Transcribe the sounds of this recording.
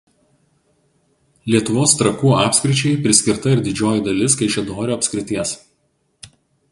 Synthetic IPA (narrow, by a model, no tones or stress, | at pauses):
lʲiɛt̪ʊʋoːst̪ɾɐkuːʔɑːpʲsʲkʲɾʲɪt͡ʃʲɛɪpʲɾʲɪsʲkʲɪɾt̪ɐɪɾd̪ʲɪd͡ʒʲoːjid̪ɐlʲɪskɐɪʃʲɛd̪oːɾʲoːɐpʲsʲkʲɾʲɪt̪ʲiɛs